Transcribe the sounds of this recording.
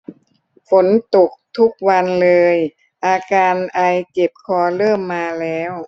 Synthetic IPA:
fo˩˦nt̪o˨˩k̚t̪ʰu˦˥k̚wa˧nlɤː˧j | ʔaː˧kaː˧nʔa˧jke˨˩p̚kʰɔː˧lɤː˥˩mːaː˧lɛː˦˥w

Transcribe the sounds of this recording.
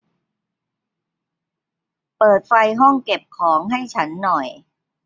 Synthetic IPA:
pɤː˨˩t̪̚fa˧jɦɔ˥˩ŋke˨˩p̚kʰɔː˩˦ŋɦa˥˩jt͡ɕʰa˦˥nːɔ˨˩j

